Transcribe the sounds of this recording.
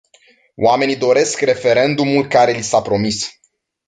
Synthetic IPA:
w̰ame̞nid̪o̞ɾe̞skre̞fe̞ɾe̞nd̪umulkaɾe̞lisapɾo̞mis

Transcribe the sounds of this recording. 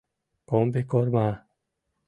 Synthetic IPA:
kombekoɾma

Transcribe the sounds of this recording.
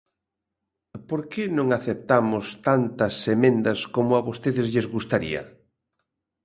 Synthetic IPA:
poɾkenõŋaθep̚t̪amʊst̪ant̪ɐsemẽnd̪ɐskomʊaβost̪eðɪzʎezɣust̪aɾḭɐ̰

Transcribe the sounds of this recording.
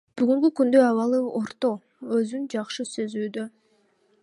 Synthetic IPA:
b̥yɡyŋkykynd̪øɑβɑlˠɯo̞ɾt̪o̞ | ø̞zynd͡ʒɑχʃɯsø̞zyːd̪ø

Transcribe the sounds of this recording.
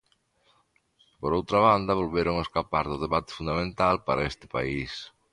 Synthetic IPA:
poɾowt̪ɾaβand̪ɐβolβeɾoŋeskapaɾðʊðeβat̪ɪ̥fund̪amẽnt̪alpaɾaest̪ɪ̥pa̰is

